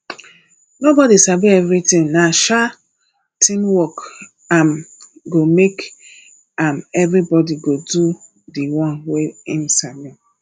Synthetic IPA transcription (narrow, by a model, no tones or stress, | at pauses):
nobɔdisaviɛvɾitĩŋnaʃa | tʰĩnwɔk | amɡomek | amɛvɾibɔdiɡodu | diwɔ̃nweĩnsami